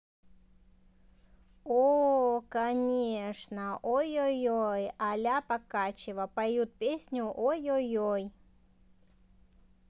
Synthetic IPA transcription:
okɐnʲeʂnəʔojojojalʲapɐkat͡ɕɪvəpɐjjut̪̚pʲesʲnʲʊʔojojoj

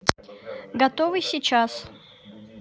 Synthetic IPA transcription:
ɡɐt̪ovɨsʲit͡ɕas

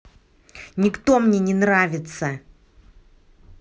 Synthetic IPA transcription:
nʲɪkt̪o̞mnʲenʲɪnravʲɪt̪sə

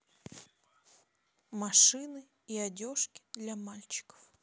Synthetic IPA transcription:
mɐʂɨnɨ | iɐdʲo̞ʂkʲɪ̥d̪lʲɐmalʲt͡ɕɪ̥kə̥f

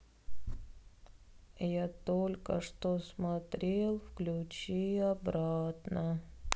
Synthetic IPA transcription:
jat̪olʲkə̰ʂt̪osmɐt̪ɾʲeelˠfklʲʊt͡ɕiɐbɾat̪nə

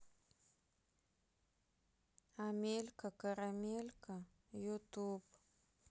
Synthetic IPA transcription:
amelkakaɾamelkʰa | jut̪ub

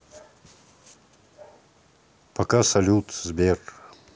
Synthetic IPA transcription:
pɐkasɐlʲut̪zbʲer

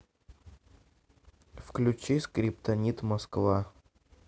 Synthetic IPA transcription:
fklʲʉt͡ɕisʲkɾʲɪpt̪ɐnʲit̪mɐskva

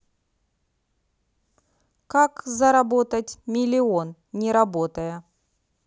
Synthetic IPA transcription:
kakzɐɾɐbo̞t̪ətʲmʲɪlʲɪon | nʲɪɾɐbo̞t̪əjə

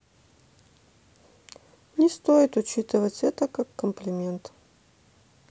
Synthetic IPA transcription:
nʲɪst̪ojɪt̪ʊt͡ɕit̪ɨvətʲɛt̪əkakːəmplʲɪmʲe̞nt̪

